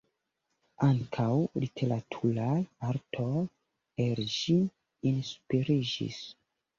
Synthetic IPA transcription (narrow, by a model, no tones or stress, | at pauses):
aŋkʰawlitʰe̞ɾatʰulajaɾtʰo̞j | elʃiː | nspiɾid͡ʒḭs